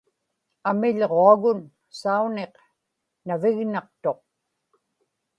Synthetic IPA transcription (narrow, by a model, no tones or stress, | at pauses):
amɪʎʁoaɣʊn | sauneq | navɪɣnɑq̚t̪o̞q̚